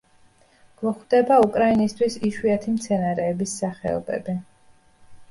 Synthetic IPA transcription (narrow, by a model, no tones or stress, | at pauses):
ɡ̥mɔχwd̪̥ɛbaukʼɾainist̪ʰwisiʃwiat̪ʰimt̪sʰɛnaɾɛːbisːaχɛ̰ɔ̰bɛ̰bi